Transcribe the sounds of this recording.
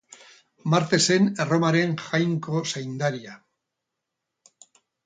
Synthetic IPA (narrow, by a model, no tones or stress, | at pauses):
maɾt̪e̞se̞nero̞maɾeŋxajŋkosajnd̪aɾia